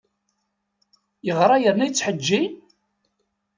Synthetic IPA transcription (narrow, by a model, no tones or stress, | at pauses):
jəʁɾˤɑjəɾnæjt͡sːħəd͡ʒːin